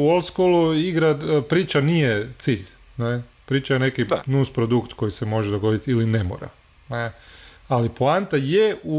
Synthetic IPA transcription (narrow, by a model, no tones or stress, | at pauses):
uolˠskoluiɡɾad̪pɾiːt͡ʃanijet̪siːʎ | ne | pɾiːt͡ʃajene̞kinuspɾod̪ukt̪ko̞jisemo̞ʒed̪o̞ɡo̞d̪it̪ilinemo̰ɾa̰ | nealiplˠant̪ajeu